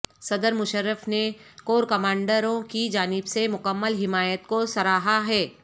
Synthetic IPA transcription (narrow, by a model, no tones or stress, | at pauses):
sɐd̪əɾmʊʃəɾːəfnekoːɾkɐmaːɳɖəɾõkid͡ʒaːnɪbsemʊkəmːəlɦɪmaːjət̪kosɐɾaːɦaɦɛː